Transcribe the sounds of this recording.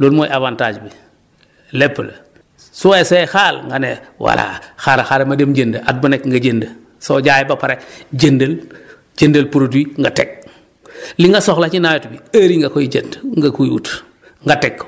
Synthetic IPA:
loːlmojʔavantaːd͡ʒbi | lepːl | suwesoɛxalŋɡanewa̰la̰xaɾaxaɾemademɟendaʔat̚bunekŋɡaɟendə | soɟaːjebapaɾeɟendəl | d͡ʒendɐlpɾodwiŋɡatḛk̚ | liŋɡasoxlat͡ʃinajotbiaɾiŋɡakojiɟendŋɡakujṵt | ŋɡatekː

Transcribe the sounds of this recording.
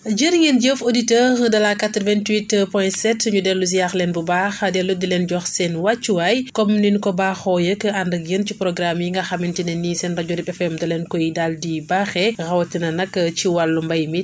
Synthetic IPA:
ɟəɾiŋenɟəfoditəːɾdɐlakatɾvɛntwitpɔjnsɛtɲudɛlːus̬ijaxlɛnbubaxdɛlːudilɛnɟɔxsɛnwat͡ʃːuwajkɔmninkɔbaːxɔjəkːandɐkjəncipɾɔɡɾamjiŋɡɐxamintinɛnisɛnrɐɟɔɾipɛfɛmdɐlɛnkɔjidaldibaːxɛɣɐwɐtːinɐnɐkːət͡ʃiwalːumbɐjmit

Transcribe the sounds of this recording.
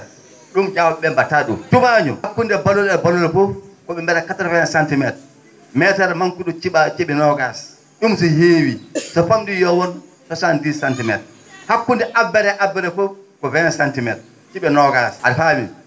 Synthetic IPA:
ɗumd͡ʒawɓɛmbataɗṵmtumaɲɔ̰hakːundɛbaloɾɛbaloɾɛfɔfkɔɓɛmbɛɾakataɾvɛnasantimɛt̚ | mɛtaɾmaŋkuɗut͡ʃiat͡ʃiɓɛnɔɡas | ɗumsɔheːwisɔfamdujɔwɔn | sɔsandisantimɛ̰t̚ | hakːundɛʔabːɛɾɛʔabːɛɾɛfɔfkɔvɛnasantimɛt̚ | t͡ʃiɓɛnɔɡasafamḭn

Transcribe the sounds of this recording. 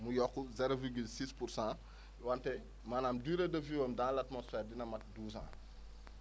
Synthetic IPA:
mujɔkːuzɛɾoviɾɡilsiːspuɾsãː | wantɛ | maːnaːmduːɾedɐviwɐmdãːlatmɔsfɛːrdinɐmɐt̚duːsã̰ː

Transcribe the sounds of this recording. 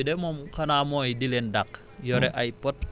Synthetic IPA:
idemomkanamoidilendak | joɾeʔajpot̚

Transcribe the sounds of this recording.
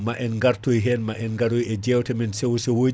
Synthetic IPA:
maʔɛnŋɡaɾtojɦɛnmaʔɛnŋɡaɾujɛd͡ʒɛwtɛminsɛwsɛwo

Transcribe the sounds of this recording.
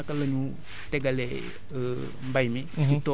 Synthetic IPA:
akaləɲu | tɛɡalḛ | mbajmid͡ʒito

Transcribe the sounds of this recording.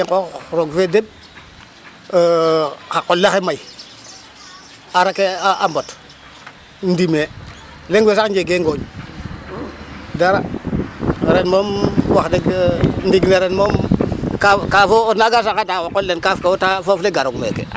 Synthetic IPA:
eŋkoɾoɡfedeb̚ | kaqolːexemaj | aɾakeaambot | n̩dime | leŋɡwesakɲd͡ʒeɡeŋɡoɲ | daɾa | ɾenmomwaxdeɡndiɡleɾenmomkakafonaɡasakadawoqolːenkafkawotafofleɡaɾoɡmḛkḛ

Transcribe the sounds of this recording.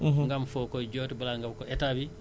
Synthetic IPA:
ŋɡamfokoɟoːtibalaŋɡabkoʔetabi

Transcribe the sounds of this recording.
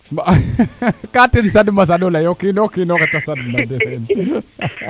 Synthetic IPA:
ma | kat̪insadəmas̬adolajokinokinokat͡ʃasadmadesan

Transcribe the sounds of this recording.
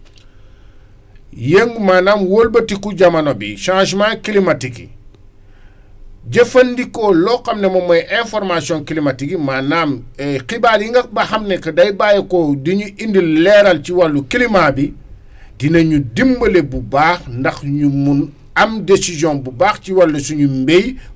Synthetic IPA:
jeŋɡmaːnaːmwoːlbɐtikuɟɐmɐnobḭʃãːʃmãːkilimɐtikḭ | ɟɐfɐndikɔlɔkɐmnɛmɐmɐjʔɛ̃fɔɾmasiɔ̃ŋkilimatikimaːnaːmɛkibaːljiŋɡɐk̚bɐxɐmnɛkɐdɐjbajɐkɔdiɲuʔindilːɛɾɐlciwɐlːukilimaːbi | dinɐɲudimbɐlebubaːxndɐxɲumun | ɐmdesizjɔ̃nbubaːxciwɐlːusuɲumbej

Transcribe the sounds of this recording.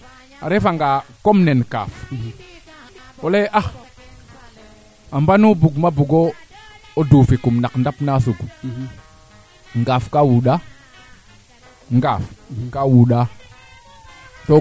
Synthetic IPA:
a̰ɾefaŋɡakomnenka̰ːf | oleʔax | ambanubuɡmabuɡo | odufikumnakndapnasuɡ | ŋɡafkawuɗa | ŋɡafkawuɗa | to

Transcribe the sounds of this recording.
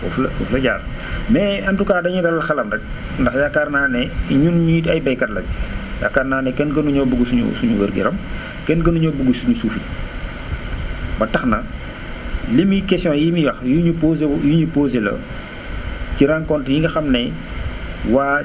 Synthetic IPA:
fɔ̰flɐfṵflɐɟaːɾ | mɛːɐntukaːdɐɲudɐlɐlxɐlɐmdɐk̚ | ndɐxjakːarnaːnɛɲunɲiɐjbɐjkɐtlɐbija̰kːarnaːnɛkɛnkɐnuɲɔbuɡusuɲṵsuɲuwə̰ɾɡḭɾɐm | kɛnɡɐnuɲɔbuɡusuɲusuːfit | bɐtɐxnɐ | lemikɛsjɔ̃ːjimiwɐxjuɲupozejuɲupoːzelɐ̰ | ciɾaŋkɔntjiŋɡɐxɐmnɛ | waː

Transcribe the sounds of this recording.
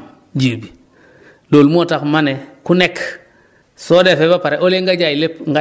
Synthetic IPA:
d͡ʒiːbi | loːlmotakmanekunek | sodefebapaɾeʔoleŋɡad͡ʒailepŋɡa

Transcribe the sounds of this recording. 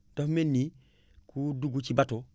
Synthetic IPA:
d̥afmenːi | kuduɡut͡ʃibato

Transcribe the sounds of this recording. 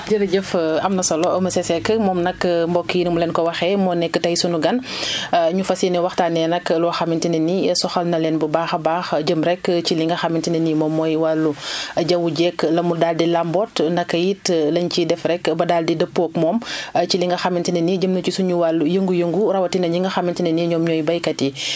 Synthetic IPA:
d͡ʒɐɾɐɟɐfɐmnɐsɔlɔɐmɐsɛsɛkːəmɔːmnɐkːmbɔkːijinɐmulɛnkɔwɐxɛmɔnɛkːətɐjsunuɡɐn | ɲufɐsinɛwɐxtaːnɛnɐklɔxɐmintinɐnisɔxɐlnɐlɛnbəbaːxɐbaːxɟəmɾɛkciliŋɡɐxɐmintinɐnimɔːmːɔjwɐlːuɟɐwuɟɛklɐmuldaːldilambɔtnɐkːɐjitlɐɲcidɛfɾɛkbɐdaːldidəpːɔːkmɔːmt͡ʃiliŋɡɐxɐmintinɐniɟəmnɐt͡ʃusuɲuwaljəŋɡujəŋɡuɾɐwɐtinɐɲiŋɡɐxɐmintinɐniɲɔmɲɔːjbɐjkɐti

